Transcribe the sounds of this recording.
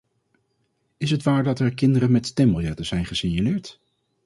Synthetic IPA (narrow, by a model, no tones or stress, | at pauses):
ɪsɦətʋaːɹdɑtɛɹkɪndəɾənmɛttɛməlˠjɛtəz̥ɛjnχəsɪɲalɪːɹt